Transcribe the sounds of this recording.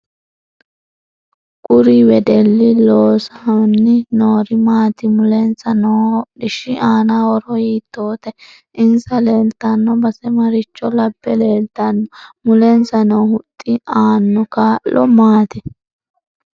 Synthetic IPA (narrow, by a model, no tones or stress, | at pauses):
kʼʊɾiwɛd̪ɛlːɪloːsɐnːɪnoːɾɪmaːt̪ɪmʊlɛnt͡sɐnɔɗɪʃɪʔaːnawɔɾɔhiːt̪ːoːt̪ɛ | ʔɪnsɐle̞ːlt̪ɐnːɔbɐsɛmɐɾɪt͡ʃːɔlɐbːɛleːlt̪ɐnːɔmʊlɛnsɐnɔːhʊt̪ʼːɪaːnːɔkaːllɔmaːt̪ɪ